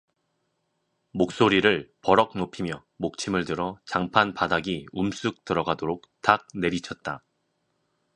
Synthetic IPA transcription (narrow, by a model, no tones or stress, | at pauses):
mok̚s͈oɾiɾɯɭpʌɾʌk̚nopʰimjʌ | mok̚t͡ɕʰimɯɭtɯɾʌt͡ɕaŋpʰanpadaɡiums͈ɯk̚tɯɾʌɡadoɾok̚tak̚ne̞ɾit͡ɕʰʌt̚t͈a